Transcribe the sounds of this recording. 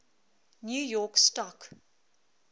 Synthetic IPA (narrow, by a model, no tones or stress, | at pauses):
njuːjɔːkstɔk